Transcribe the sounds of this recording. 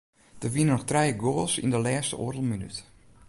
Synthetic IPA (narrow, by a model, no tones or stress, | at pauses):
d̥əʋinənɔxtrɛjəɡoːlˠsḭndəlɛːstə̰ʔo̰ədəl̩ˠminy̰t